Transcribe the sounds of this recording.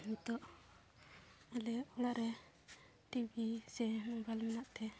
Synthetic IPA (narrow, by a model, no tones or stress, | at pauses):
mit̪ɔʔ | alɛulaʔɾɛ | ʈibisɛbalmɛnaʔt̪ɛ